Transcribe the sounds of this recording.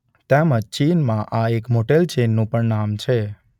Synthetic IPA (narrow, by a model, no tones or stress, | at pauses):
t̪eməd͡ʒt͡ʃinmãʔaekmoʈelt͡ʃenːũpəɳnamt͡ʃʰe